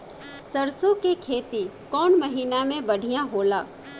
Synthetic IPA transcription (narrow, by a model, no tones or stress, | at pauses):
səɾsõkekʰeːt̪i | kɔːnməɦiːnamẽbɐɽ̤ʱijãɦoːlaː